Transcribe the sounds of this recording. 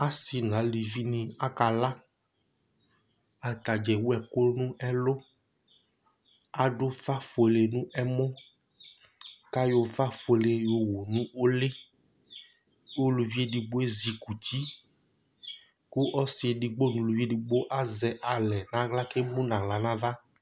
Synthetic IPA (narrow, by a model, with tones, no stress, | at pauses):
a˨si˨nã˨˦li˨vi˦nĩ˨a˦ka˨la˦ | a˨t̪a˨d͡ʒɛ˨wu˦ɛ˨ko˦nũ˦ʔɛ˦lʊ˦ | a˨ɖʊ˦fa˦fo˨e˨le˨nũ˦ʔɛ˦mɔ̃˦ | ka˦jo˨fa˦fe˨le˨jo˨wo˨nũ˦o˦le˦ | jo˦lu˨vi˦e˦di˨ɡ͡bo˦e˦zi˨ku˨ti˦ | ku˦ʔɔ˦sɪ˨e˨di˨ɡ͡bo˦nũ˨lu˨vi˦e˦˨di˨ɡ͡bo˦ʔa˦zɛ˨ʔa˨lɛ˨nã˨˦ɣla˦ke˦mũ˦nã˨ɣla˨nã˦va˦